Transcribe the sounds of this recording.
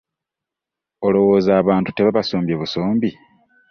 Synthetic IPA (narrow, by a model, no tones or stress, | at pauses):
o̞lo̞wo̞ːzaːβaːntu̥te̞βaβasoːmbjeβuso̞ːmbi